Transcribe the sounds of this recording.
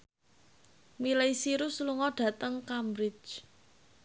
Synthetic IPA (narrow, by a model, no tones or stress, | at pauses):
milaisiɾusluŋɔɖ̥ä̤t̪əŋkambɾɪt͡ʃ